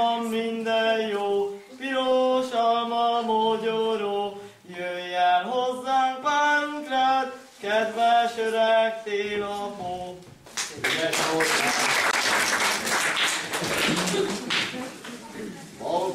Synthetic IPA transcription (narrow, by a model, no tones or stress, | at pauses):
ɒmːind̪ɛjjoː | piɾoʃɒmɒmoɟoɾo | jøjːɛnɦozːaːŋpaːŋkɾɛt̪ | kɛd̪ʋɛʃøɾɛkt̪eːlɒmo | ɛʃo